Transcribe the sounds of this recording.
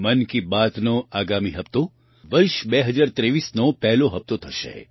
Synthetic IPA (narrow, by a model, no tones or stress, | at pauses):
mɐnkibaːt̪noaːɡaːmiɦɐpt̪o | ʋɐɾʃbɛɦɐd͡ʒaːɾt̪ɾeːʋiːsnopɛɦloɦɐp̚t̪ot̪ʰɐʃḛ